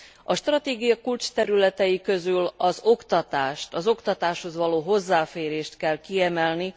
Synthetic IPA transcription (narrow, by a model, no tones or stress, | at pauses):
ɒʃt̪rɒt̪eːɡijɒkult͡ʃt̪ɛɾylɛt̪ɛjikø̞zylɒzo̞kt̪ɒt̪aːʃt̪ɒzo̞kt̪ɒt̪aːʃho̞zʋɒloːɦo̞zːaːfeːɾeːʃt̪kɛlkiɛmɛlni